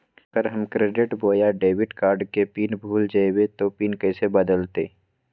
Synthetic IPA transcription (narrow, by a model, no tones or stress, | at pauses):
ɡəɾɦɐmkɾeːɖɪʈboːjaɖeːwɪʈkaːɾɖkepiːnbʱuːld͡ʒaewet̪opiːnkɛːsebɐd̪əlt̪ḛː